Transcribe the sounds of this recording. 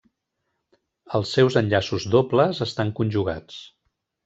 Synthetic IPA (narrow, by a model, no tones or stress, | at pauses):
əlˠsːɛwzənʎasuzd̪opləzəst̪aŋkunʲʒuɣ̞a̰t͡s